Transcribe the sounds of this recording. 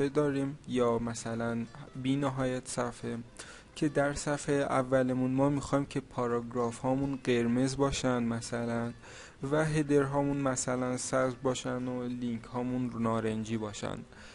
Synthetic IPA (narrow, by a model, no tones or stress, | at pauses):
ed̪ɒːɾiːmjɒːmæsælænbiːneɦɒːjæt̪sæfhe | cʰe̞d̪æɾsæfhejʔævːælemunmɒːmiːxɒːimcʰe̞pʰɒːɾɒɡɾɒːfhɒːmunɢe̞ɾmezbɒːʃænd̪mæsælæn | væɦe̞d̪e̞ɾɦɒːmunmæsælænsæzbɒːʃænd̪oliŋcʰhɒːmunnɒːɾend͡ʒiːbɒːʃæ̰nd̪̥